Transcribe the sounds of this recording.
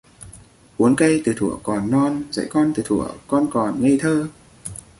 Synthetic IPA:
ʔu˨˦ənkə˧jt̪ɨ˨˩t̪ʰu˧˩əkɔ˨˩nːɔ˧nzə̰˧˥jkɔ˧nt̪ɨ˨˩t̪ʰu˧˩˨əkɔ˧nkɔ˨˩nŋə˧jt̪ʰəː˧

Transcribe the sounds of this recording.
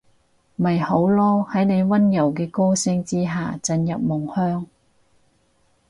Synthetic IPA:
mɐ˨jho˨˥wlɔː˥hɐ˨˥jne˨˧jwɐ˥njɐ˨˩wkɛː˧koː˥sɪ˧˥ŋt͡siː˥ɦaː˨t͡sɐ˧njɐ˨p̚mʊ˨˩ŋhœː˥ŋ

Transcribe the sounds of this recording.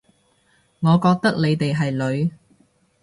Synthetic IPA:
ŋɔː˨˧kɔː˧k̚t̪ɐ˥k̚le˨˧jt̪e˨jɦɐ˨jlɵ˨˧ɥ

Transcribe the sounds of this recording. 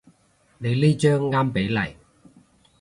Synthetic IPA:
ne˨˧jleː˥t͡ʃœː˥ŋːaː˥mpe˨˥jlɐ˨˩j

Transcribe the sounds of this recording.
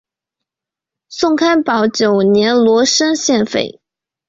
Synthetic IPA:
sʊ˥˧ŋkʰa˥npɑ˨˩ʊt͡ɕjo˨˩ʊnjɛ˧˥nlwɔ˧˥ʂə˥ŋɕjɛ˥˧nfḛ˥˩ɪ

